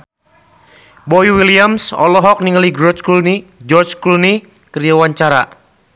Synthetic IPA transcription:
bɔiwiliamsɔ̰lɔɦɔk̚niŋəliɡɾɔt͡ʃkunid͡ʒɔrt͡ʃkuni | kəjawaɲt͡ʃaɾa

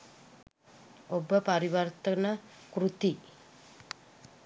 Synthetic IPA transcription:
obəpaɾiʋərt̪ənəkɾut̪i

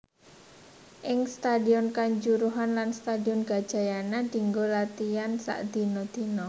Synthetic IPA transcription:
ʔɪŋst̪adiɔnkaɲd͡ʒuɾuɦanlanst̪adiɔnɡ̥a̤d̥ʒ̥a̤janad̪̥i̤ŋɡolat̪iansa̰ʔd̪̥i̤nɔd̪̥i̤nɔ

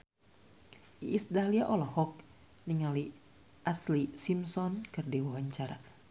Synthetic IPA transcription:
iːsdaliaʔɔlɔhɔk̚ | niŋali | ʔaslisimsɔnkɨrdiwawaɲt͡ʃaɾa

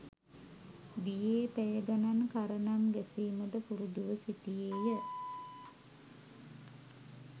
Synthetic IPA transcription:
d̪ijeːpæjəɡanankaɾənamɡesiːməd̪əpuɾud̪uʋəsiʈ̪ijeːjə

